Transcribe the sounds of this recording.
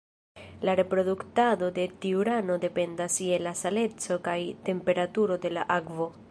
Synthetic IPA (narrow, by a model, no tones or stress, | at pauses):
laɾe̞pɾo̞d̪uktado̞de̞tiuɾano̞de̞pe̞ndasielasale̞t͡so̞kajte̞mpe̞ɾatuɾo̞de̞laʔakvo̞